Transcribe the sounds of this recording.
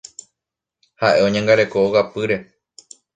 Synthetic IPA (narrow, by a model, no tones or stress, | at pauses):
haʔe̞õɲãŋɡaɾe̞ko̞owapɨɾe̞